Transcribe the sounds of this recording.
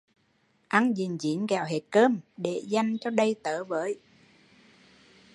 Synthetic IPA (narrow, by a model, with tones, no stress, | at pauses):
ʔa˧ŋzi˨˩nzḭ˨˦ənkɛ˨˩wɦe˨˩t̚kəː˧mɗe˨˩˦za˧jŋ̟t͡ɕɔ˧ɗə˧jt̪əː˨˦vəː˨˦j